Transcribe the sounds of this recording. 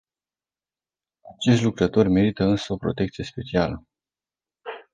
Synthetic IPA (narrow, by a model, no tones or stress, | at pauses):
at͡ʃe̞ʃt̪ʲlukɾət̪o̞rʲme̞ɾit̪əɨnsəo̞pɾo̞t̪e̞kt̪sije̞spe̞t͡ʃialə